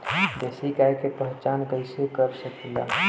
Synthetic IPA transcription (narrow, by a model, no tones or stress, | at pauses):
d̪esikaekepəɦt͡ʃankəisekəɾsəkila̰